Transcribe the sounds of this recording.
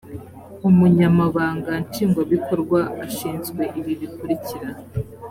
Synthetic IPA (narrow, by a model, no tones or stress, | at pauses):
umuɲamaβaːŋɡant͡ʃiːŋɡwaβikʰo̞ɾɡwaaʃiːnzɡwe̞ʔiβiβikuɾiciɾa